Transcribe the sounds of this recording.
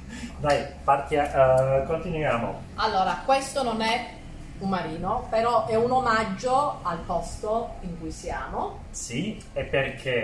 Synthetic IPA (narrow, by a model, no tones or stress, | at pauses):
d̪ajpart̪akont̪inujaːmo̰ | alːoːɾakwest̪ononɛ | ummaɾiːnopeɾɔʔɛunomad͡ʒːoalpɔst̪oiŋkujsjaːmo | si | epːerkʰe